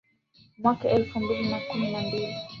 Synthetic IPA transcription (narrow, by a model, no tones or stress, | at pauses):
mwakaʔɛlfumbilinakuminambili